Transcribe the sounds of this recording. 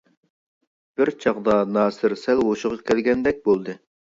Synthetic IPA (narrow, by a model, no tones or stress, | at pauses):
b̥ɪɾt͡ʃʰɑʁd̪ɑnɑːsɨɾsælwoʃʊʁɑkʲʰɛlɡʲɛnd̪ɛk̚ʲbolˠd̪ɨ